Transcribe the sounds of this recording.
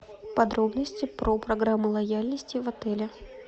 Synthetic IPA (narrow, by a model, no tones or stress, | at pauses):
pɐd̪ɾobnəsʲt͡sʲɪpɾopɾɐɡɾamːʊlˠɐjalʲnəsʲtʲɪvɐt̪ɛlʲɪ